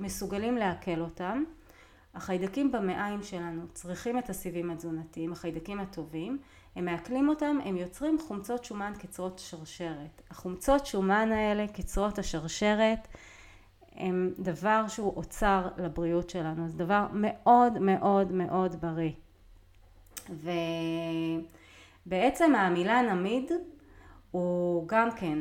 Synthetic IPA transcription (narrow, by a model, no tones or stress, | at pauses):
me̞suɡalimle̞ake̞lo̞tam | aχajdakimbame̞ʔaimʃe̞lanut͡sʁiχimetasivimad͡zunatiimaχajdakimatʰo̞vim | he̞mːeaklimo̞tame̞mjo̞t͡sʁimχumt͡so̞tʃumankit͡sʁo̞tḁʃaʁʃe̞ʁethaχumt͡so̞tʃumanae̞le̞kit͡sʁo̞thaʃaʁʃe̞ʁet | hḛmdavaʁʃeuʔot͡saʁlabʁiutʃe̞lanuazdavaʁme̞ʔo̞dme̞ʔo̞dme̞ʔo̞dbaʁi | ve | be̞et͡se̞maːmilanamid | uɡamke̞n